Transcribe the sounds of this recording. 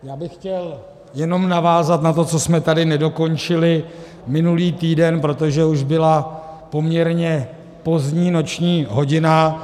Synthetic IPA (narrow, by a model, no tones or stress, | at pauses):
jaːbɪxːcɛl | jɛno̞mnavaːzat̪nat̪̬o̞t͡so̞smɛt̪adɪnɛdo̞ko̞nt͡ʃɪlɪ | mɪnuliːt̪iːdɛnpɾo̞t̪o̞ʒɛuʒbɪlapo̞mɲɛɾɲɛ | po̞zɲiːno̞t͡ʃɲiːɦo̞ɟɪna